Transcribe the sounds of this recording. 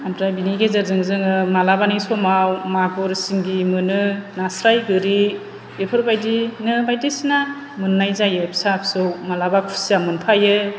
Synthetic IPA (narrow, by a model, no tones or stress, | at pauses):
amɾajbiniɡezaɾzɯŋzɯŋɯmalabanijsɔmawmaɡɔɾsiŋɡimɯnɯnasɾajɡɯɾi | epʰɯɾbajdinɯbajdisina | mɯnːajzajepʰsapʰsɯwmalabakʰu̥siamɯnpʰajɯ